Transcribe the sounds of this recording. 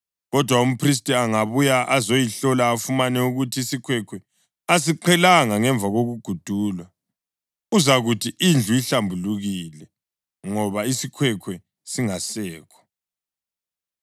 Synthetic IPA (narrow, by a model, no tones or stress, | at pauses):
ɣɔd̥ʱwaum̩pʰris̬tʼiaŋaβujaʔazojiɬɔlaːfumanɛuɣutʰiisikʰwɛkʰwɛ | as̬iǃʰɛlaŋaŋɛɱb̪vʱaɣoɣuɡ̥ʱud̥ʱuːlwa | uzaɣutʰiind͡ɮʱujiɬambʱuluɣilɛ | ŋɔβaisikʰwɛkʰwɛ | siŋasɛːkʰɔ̥